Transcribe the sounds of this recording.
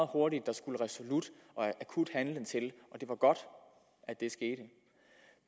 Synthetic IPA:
ð̩ˠho̝ɐɾid̥̚ːɑ̈sɡ̥uləʁɛsolud̥ʔɒ̽ʔækʰud̥hænlənt͡sʰe̝lʔɒ̽d̥e̝ʋɑ̈ɡ̥ɒ̽d̥ | æd̥e̝sɡ̥e̝ːɾ̥ə

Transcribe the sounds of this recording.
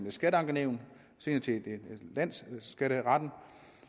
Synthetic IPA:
mlesɡ̥æɾəɑ̈ŋɡ̥əneʊn | se̝̰ːnɐt͡sʰe̝delæn̰sɡ̥æɾəʁɑd̥n̩

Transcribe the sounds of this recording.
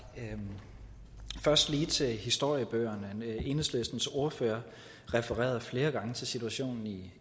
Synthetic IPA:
fɶɐsd̥liːt͡sʰe̝lhisd̥o̝ɐ̰jəb̥øːɐnəe̝ːnəslesd̥n̩so̝ɐføːɐ | ʁɛfəʁɛ̰ːɐðˠfle̝ːɐɡ̥ɑ̈ŋət͡sʰe̝lsit͡sʰuæɕo̝̰ːnn̩i

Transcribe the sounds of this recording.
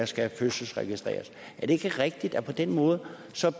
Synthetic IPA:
ɑsɡ̥æføsəsʁɛɡ̥isd̥ʁɛ̰ːɐs | ʔæɐd̥e̝eɡ̥əʁɛɡ̥̚d̥id̥ɒpʰɒ̽d̥en̰mɔ̽ːð̞̩ˠ | sɒ̽

